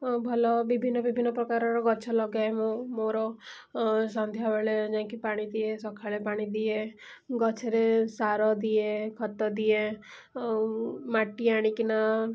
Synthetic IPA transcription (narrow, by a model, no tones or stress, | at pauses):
bʱɔlɔbibʱinːɔbibʱinːɔpɾɔkaɾɔɾɔɡɔt͡ʃʰɔlɔɡjaɦemõmoɾɔ | sɔnd̪ʱjabeɭed͡ʒãkipaɽ̃id̪iesɔkʰaɭepaɽ̃id̪ie | ɡɔt͡ʃʰeɾesaɾɔd̪iekʰɔt̪ɔd̪ie | maʈiaɽ̃ikina